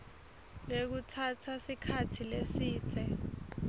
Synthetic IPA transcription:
lek̬utʰatʰasikʰatʰilesiːt͡sʰɛ

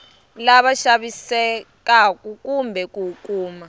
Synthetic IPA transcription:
laɓaʃaɓisɛk̬ʼak̬ʼukʼumbʱɛk̬ʼukʼuːma

